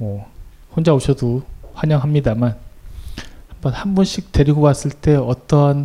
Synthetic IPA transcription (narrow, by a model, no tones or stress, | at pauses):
mʌ | ɸond͡ʑaoɕʰʌdoɸwaɲʌŋɦamɲidaman | hambʌnhanbunɕ͈ʰik̚te̞ɾiɡokwas͈ɯɭt͈e̞ʌt͈ʌn